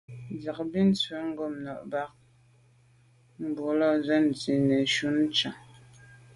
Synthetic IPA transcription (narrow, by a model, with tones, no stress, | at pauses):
d͡za˨k̚bi˦n̩˦t͡sɥe˨˦ŋ̩˦ɡɔ˦˨mnɔ˨ʔba˦k̚ | m̩˨bu˨˦lɔ˦˨zɛ˦n̩˨t͡si˨nɛ˨ʃu˦n˦t͡ʃa˨